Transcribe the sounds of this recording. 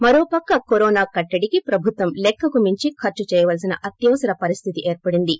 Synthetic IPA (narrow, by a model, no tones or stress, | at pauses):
mɐɾoːpɐkːɐkoɾoːnaːkɐʈːɐɽikipɾɐbʱut̪ʋɐmlɛkʰːɐkumiɲt͡ʃikʰɐɾt͡ʃut͡ʃɛːjɐʋɐlsinɐʔɐt̪jɐʋɐsɐɾɐpɐɾist̪ʰit̪iʔeːɾpɐɽind̪i